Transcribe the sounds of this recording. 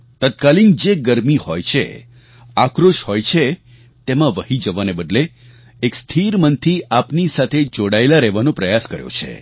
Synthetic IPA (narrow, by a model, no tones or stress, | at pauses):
t̪ət̪̚kalind͡ʒeɡəɾmihojt͡ʃʰḛ | akɾoʃhojt͡ʃʰe | t̪emãʋəɦid͡ʒəʋanebəd̪le | ekst̪ʰiɾmənt̪ʰiapnisat̪ʰed͡ʒoɽaelaɾɛʋanõpɾəjaskəɾjo̰t͡ʃʰḛ